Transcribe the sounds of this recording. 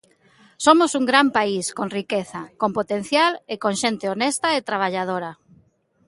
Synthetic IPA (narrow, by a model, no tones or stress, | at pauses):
somosuŋɡɾampaiskoŋrikeθakompot̪enθjalekoŋʃent̪ɪonest̪aet̪ɾaβ̞aʎað̞oɾɐ